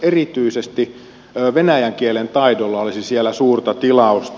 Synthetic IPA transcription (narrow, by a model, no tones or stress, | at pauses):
erit̪yisest̪iː | ʋenæjæŋkielent̪ɑidolːɑolisisielːˑæsuːrt̪ɑt̪ilɑust̪